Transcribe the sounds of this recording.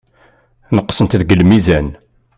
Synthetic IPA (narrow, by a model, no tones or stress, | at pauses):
nəqːsənt̪ðɡəlmizæn